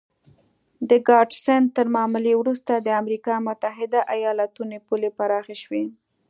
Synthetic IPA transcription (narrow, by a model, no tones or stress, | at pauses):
d̪əɡɑɖsɛn̚t̪əɾmɑməlewɾust̪ad̪əamɾikɑmʊt̪aɦɪd̪aʔajɑlat̪unopulepaɾɑxaʃwe